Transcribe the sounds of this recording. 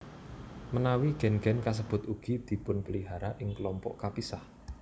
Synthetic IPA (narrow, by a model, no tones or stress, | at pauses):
mənawiɡ̥ɛ̤nɡ̥ɛ̤nkas̬əb̥ʊ̤t̪uɡ̥id̪̥i̤pʊnpəliɦaɾaʔɪŋkəlɔmpɔ̰ʔkapisah